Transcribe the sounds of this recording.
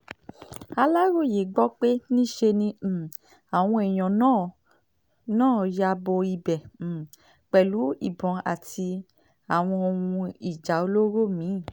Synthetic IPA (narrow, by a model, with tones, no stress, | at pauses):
a˧la˦ɾo˦˨je˨˦ɡ͡bɔ˦k͡pe˦nĩ˦ʃe˧nĩ˧˨ | a˨w̃ɔ̃˧ɛ˨j̃ɔ̃˨nãː˦˨ | nãː˦˨ja˧bo˧i˧˨bɛ˨ | k͡pɛ˨lu˨˦ḭ˦˨bɔ̃˨˦a̰˨tʰi˧ | a˨w̃ɔ̃˧o˧wũ˧i˨d͡ʒa˨˦o˧lo˦ɾo˦˨mĩ˨˦˨